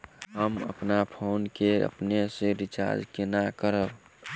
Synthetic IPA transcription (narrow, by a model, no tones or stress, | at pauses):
ɦəmə̰pnapʰownkeə̰pnesẽɾit͡ʃa̰ɾd͡ʒkenakəɾəb